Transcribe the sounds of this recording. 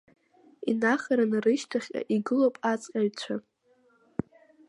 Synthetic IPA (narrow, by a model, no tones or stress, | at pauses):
inaχaɾanrɨʃtʰaχʲʼa̰ʔiɡɨlowpʼat͡sʼqʲʼaɥʲt͡ɕʷʰa